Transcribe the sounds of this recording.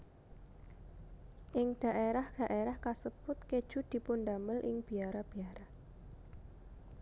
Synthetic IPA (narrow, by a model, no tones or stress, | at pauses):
ʔɪŋd̪̥a̤ʔeɾahd̪̥a̤ʔeɾahkasəb̥ʊt̪ked̥ʒ̥ṳd̪̥i̤pʊnd̪aməlʔɪ̰ŋb̥iaɾab̥i̤aɾa